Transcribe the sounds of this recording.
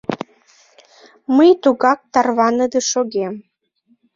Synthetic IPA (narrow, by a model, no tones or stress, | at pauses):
məjt̪uɣɑk̚t̪ɑrβɑnɤd̪əʃoɣem